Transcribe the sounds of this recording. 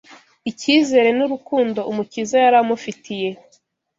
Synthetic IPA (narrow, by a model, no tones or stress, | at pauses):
iciːze̞ːɾe̞nuɾukuːndo̞umucizajaɾamufitije̞